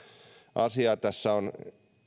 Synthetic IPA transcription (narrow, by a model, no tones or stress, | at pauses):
ʔɑsiɑt̪æsːæon